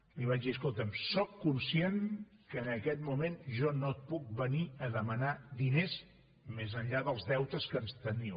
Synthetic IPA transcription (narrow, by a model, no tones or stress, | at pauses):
liβ̞ad͡ʒðiəs̬kolˠt̪əmsɔkːunsienkəːnəkɛt̪mumenʒɔnot̪̚puk̚bəniəðəmənad̪inez | mezənʎaðəlˠzðɛwt̪əskənst̪əni